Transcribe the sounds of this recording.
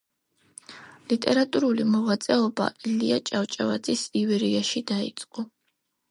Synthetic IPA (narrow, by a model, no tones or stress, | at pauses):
lit̪ʼɛɾat̪ʼuɾulimɔʁat̪sʼɛɔba̰ʔiliat͡ʃʼaft͡ʃʼava̰d̪zisivɛɾiaʃid̪aḭt̪sʼqʼɔ